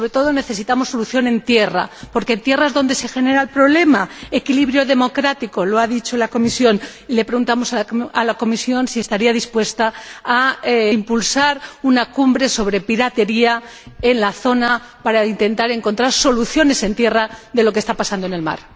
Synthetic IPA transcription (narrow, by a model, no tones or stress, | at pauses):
so̞βɾe̞t̪o̞ðo̞ne̞θe̞sit̪amo̞sːo̞luθjo̞nẽ̞nt̪je̞ra̰po̞ɾkent̪je̞raezðo̞nd̪e̞se̞xe̞ne̞ɾaelpɾo̞βle̞maekiliβɾjoðe̞mo̞kɾat̪iko̞loaðit͡ʃo̞lako̞misjo̞n | ile̞pɾeɣunt̪amo̞saalako̞misjo̞nsie̞st̪aɾiaðispwe̞st̪aː | mpulsaɾunakumbɾe̞so̞βɾe̞piɾat̪e̞ɾia | e̞nlaθo̞na | paɾaint̪e̞nt̪aɾe̞ŋko̞nt̪ɾaɾso̞luθjo̞ne̞se̞nt̪je̞raðe̞lo̞kest̪apasand̪oene̞lma̰ɾ